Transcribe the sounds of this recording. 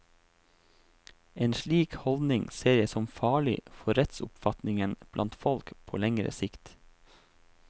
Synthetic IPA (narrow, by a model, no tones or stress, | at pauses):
eːnʃliːkhɔld̪nɪŋseːɾəsɔmfɑːɭɪfɔɾɛt̪sʊ̰pfɑt̪nɪŋənb̥lɑ̰nt̪fɔlkpʰo̰ːlɛŋɾə̰sɪkt̪